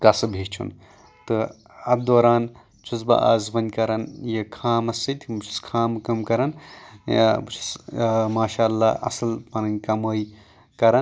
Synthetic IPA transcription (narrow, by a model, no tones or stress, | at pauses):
kɐsɨbʱeːt͡ʃʰṵn | t̪ɨ | ɐd̪oːɾaːn | t͡ʃʰuzbɐ̰ʔa̰ːzbɐnʲkɐɾɐnjɐkʰaːmɐsɐt̪ʲʰmut͡ʃʰu̥skʰaːmkɐmkɐɾɐnj̰bɨt͡ʃʰu̥smaːʃaːɐlːaɐ̰sɐlpɐnɐnʲkɐməːj | kɐɾɐ